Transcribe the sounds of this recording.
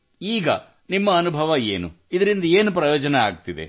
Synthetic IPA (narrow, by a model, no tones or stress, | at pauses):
iːɡɐ̰ | nimːɐːnubʱɐʋɐḛːnu | id̪ɐɾind̪ɐeːnupɾɐjoːd͡ʒɐnea̰ːɡ̚t̪id̪e̞̰